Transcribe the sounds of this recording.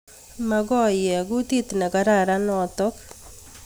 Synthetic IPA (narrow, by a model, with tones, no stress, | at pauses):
ma˨ɡɔ˦jɛ˨ɡu˦t̪i˦t̪nɛ˨ɡa˨ɾa˦ɾa˦nɔ˨t̪ɔ˦k